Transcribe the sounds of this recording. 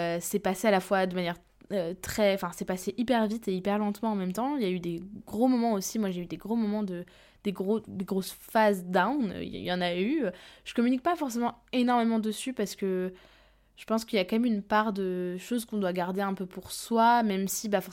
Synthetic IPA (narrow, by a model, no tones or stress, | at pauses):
øsɛpasealafwad̪əmanjɛʁ | øt̪χɛɑ̃fɛ̃sɛpaseʔipɛʁvit̪eipɛʁlɑ̃t̪mɑ̃ːmɛmt̪ɑ̃iljayd̪eɡʁomɔmɑ̃osimwaʒeyd̪eɡʁomɔmɑ̃d̪ə | d̪̥eɡʁod̪eɡʁosfazd̪awnø̰jɑ̃nayøʒ̥ə̥kɔmynik̚pafɔʁsemɑ̃enɔʁmemɑ̃d̪əsypaʁsə̥kə | ʒ̥əpɑ̃skiljakɔmɛmynpaʁd̪əʃozkɔ̃d̪waɡaʁd̪eɛ̃pøpuʁswamɛmsibafɔʁ